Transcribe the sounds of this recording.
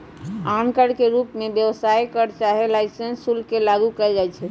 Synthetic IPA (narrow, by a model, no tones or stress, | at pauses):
ankəɽkeɾupmebjəʋsajkəɾt͡ʃaɦɛlajsənsulkelaɡukəɛd͡ʒajt͡ʃʰɛ